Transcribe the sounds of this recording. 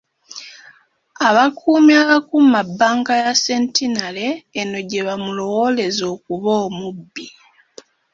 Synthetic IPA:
aβakʰuːmiaβakumabːaːŋkajase̞ntinale̞ːno̞ɟe̞βamulo̞wole̞zo̞ːkuβoːmubːi

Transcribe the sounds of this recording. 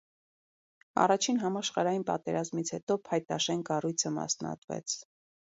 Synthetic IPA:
ɑ̰rɑt͡ʃʰinɦɑmɑʃχɑɾɑjinpɑ̰t̪ɛɾɑzmit͡sʰhɛt̪ɔpʰɑjt̪ɑʃɛnkɑrujt͡sʰəmɑ̰snɑ̰t̪vɛ̰t͡sʰ

